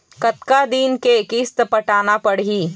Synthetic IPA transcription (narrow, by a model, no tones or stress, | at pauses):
kɐt̪kad̪iːnkeɪkiːst̪pɐʈaːnapɐɽiː